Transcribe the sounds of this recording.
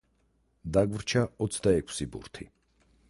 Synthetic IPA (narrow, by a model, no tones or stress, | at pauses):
d̪aɡvɾt͡ʃʰaɔt̪sʰd̪aɛkʰsibṵɾt̪ʰi